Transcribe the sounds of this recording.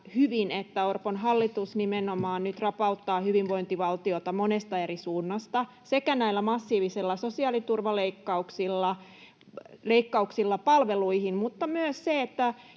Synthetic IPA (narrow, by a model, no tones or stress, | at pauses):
hyʋinet̪ːæorponɦɑlːit̪usnimenomɑːnnyt̪rɑpɑut̪ːɑːhyʋiʋʋoint̪iʋɑlt̪iot̪ɑmonest̪ɑerisuːnːɑst̪ɑ | sekænæilːˑæmɑsːiːʋisilːɑsosiɑːlit̪urʋɑleikːɑuksilːɑ | leikːɑuksilːɑpɑlʋeluihinmut̪ːɑmyøsseet̪ːæ